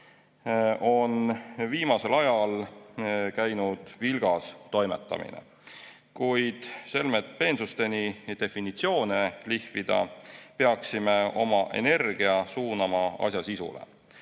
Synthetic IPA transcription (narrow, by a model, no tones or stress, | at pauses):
o̞nviːmɑse̞lɑjɑl | kæjnud̪̥vilɡ̥ɑst̪o̞jmḛt̪ːˑɑ̰mḭnḛ | kujd̪̥se̞lmet̪̚pe̞nsust̪e̞nid̪̥e̞finit̪sio̞ːnelihvid̪̥ɑ̰peɑksimeo̞mɑʔḛne̞rɡ̥iɑsuːnɑmɑɑ̰sjɑsisṵlḛ